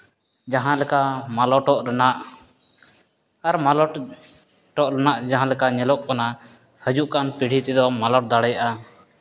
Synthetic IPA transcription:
d͡ʒaɦãlɛkamalɔʈɔʔɾɛnaʔ | aɾmalɔʈ | ʈɔʔɾɛnaʔd͡ʒaɦãlɛkaɲɛlɔʔ̚kana | həd͡ʒuʔkanpiɽ̤ʱit̪ɛd̪ɔmalɔʈ̚d̪aɽɛjaʔa

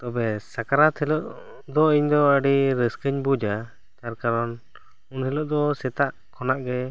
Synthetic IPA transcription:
t̪ɔbɛsakaɾat̪hɛlɔʔ | d̪ɔiɲd̪ɔəɖiɾəskəɲbud͡ʒa | t̪aɾkaɾɔn | unhɛlɔʔd̪ɔsɛt̪aʔ | kʰɔnaʔɡɛ

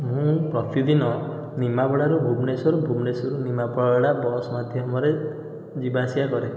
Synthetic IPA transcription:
ɦũpɾɔt̪id̪inɔ | nimapɔɽaɾubʱubnesɔɾubʱumnesɔɾunimapɔɽɔɽabɔsmad̪ʱjɔmɔɾe | d͡ʒibasiakɔɾe

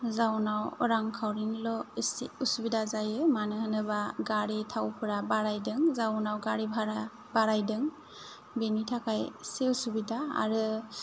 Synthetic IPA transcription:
zawnawɔɾaŋkʰawɾinlɔseusubidazajɯmanɯhɯnɯβaɡaɾitʰawpʰɯɾabaɾajdɯŋzawnawɡaɾibʱaɾa | baɾajdɯŋ | benitʰakʰajseusubidaa̰ɾɯ

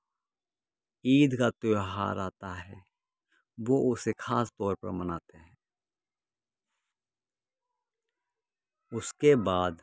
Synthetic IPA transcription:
iːd̪kat̪oːɦa̰ːɾaːt̪aɦɛ̰ː | ʋoʔʊsekʰaːst̪ɔːɾpəɾmənaːt̪eɦɛ̃ː | ʊskebaːd̪

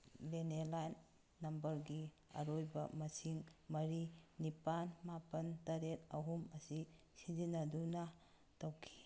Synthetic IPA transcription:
lenelajnː | ɐmbɐɾɡi | ɐ̰ɾojbɐmɐsiŋmɐɾinipanmapɐntɐɾet̚ɐɦumɐsi | sizinɐduna | tawkʰi̥

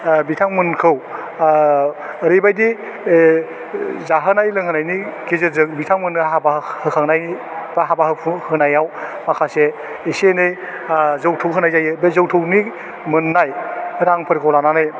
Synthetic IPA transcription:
bitʰaŋmɯnkʰɯw | əɾibajdi | zaɦɯnajlɯŋɯnajnikezezɯŋbitʰaŋmɯnɯɦabahɯkʰaŋnaj | baɦabaɦɯhɯnajawmakʰaseː | senɯj | zɯwtʰɯwɦɯnajzajɯbezowtʰɯwni | mɯnːajhɯɾaŋpʰɯɾkʰɔwlananɯj

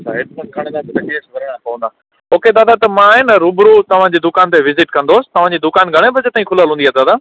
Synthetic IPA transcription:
t͡ɕʰaɦɪʈpɐnkʰɐɽ̃d̪aːt̪ɐt̪ɐkiẽsɐbɐɾəɽ̃ãkɐɦũnd̪aː | oːked̪aːd̪at̪ɐmãɦɪnəɾubɾut̪ɐʋ̤ãd͡ʑiːd̪ʊkaːnt̪eʋɪzɪʈkɐ̃nd̪oːsɪ̥t̪ɐʋ̤ãːd͡ʑiːd̪ʊkaːnɡʱɐɽ̃ebɐd͡ʑet̪aːĩkʰʊləlɦũːndiaːd̪aːd̪aː

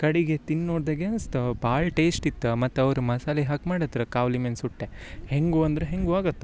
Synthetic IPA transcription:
kɐɽiɡet̪inːoːɽd̪ɐːɡeɐnst̪ɐbaːɭɐʈeːsʈit̪ːɐmɐt̪ːuɐʋɐɾumɐsaːliɦɐkmaːɽɐt̪ːiɾɐkaːʋlimensuʈːeheŋɡuɐnd̪ɐɾeɦeŋɡuaːɡɐt̪ːu̥

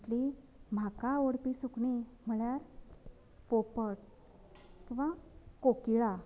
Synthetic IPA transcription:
ʈ̪li | m̤akaoɽpisukɳim̤əɭjaɾ | popəʈ̚ | kĩw̃ʋakokiɭa

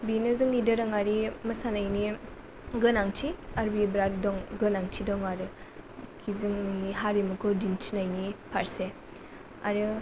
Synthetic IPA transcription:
binɯzɯŋidɯɾɐŋaɾimɐsanajni | ɡɯnaŋtʰiaɾbibɾat̚dɔŋɡɯnaŋtʰidɔŋaɾɯkʰizɯŋniɦaɾimɐkʰɔdintʰinajnipʰaɾse | a̰ɾɯ

